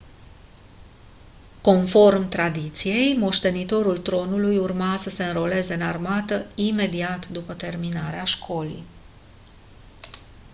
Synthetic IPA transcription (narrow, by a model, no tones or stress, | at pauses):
ko̞nfo̞rmt̪ɾad̪it̪sije̞jmo̞ʃt̪e̞nit̪o̞ɾult̪ɾo̞nulujurmasəse̞ɨnɾo̞le̞ze̞ɨnarmat̪əime̞d̪iat̪d̪upət̪e̞rminaɾeaʃkʰo̞lḭj